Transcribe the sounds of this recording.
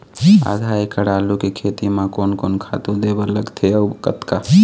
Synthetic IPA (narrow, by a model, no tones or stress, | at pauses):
a̰ːd̪ʱaːekəɽaːlukikʰeːt̪imãkoːnkoːnkʰa̰ːt̪ud̪eːbəɾləɡt̪ʰeɐwkət̪ka